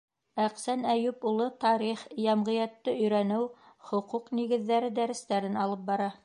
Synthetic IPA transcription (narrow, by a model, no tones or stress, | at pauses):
æqsænæjʉpulˠɤt̪ɑɾiχjɑmʁɤ̆jɑt̪ːɤɵ̆jɾænɘw | χŏquqniɡɘ̆ðːæɾɘd̪æɾɘ̆st̪æɾɘnɑlˠɤp̚bɑɾɑ